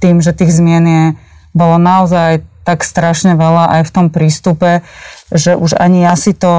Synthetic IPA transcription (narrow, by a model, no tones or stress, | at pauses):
t̪iːmʒɛt̪iːɣzmɪɛnɪɛ | bɔlɔnaɔzajt̪akst̪ɾaʃɲɛʋɛlaʔajft̪ɔmpɾiːst̪upɛʒɛʔuʒa̰ɲiasit̪ɔ